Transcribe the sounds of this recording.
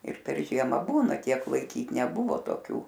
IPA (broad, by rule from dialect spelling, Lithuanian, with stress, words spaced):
ɪr pʲɛr ˈʒʲiɛmɐ ˈbuːnɐ ˈtʲiɛk lˠɐɪˈkʲiːt nʲɛˈbʊʋoː toːˈkʲuː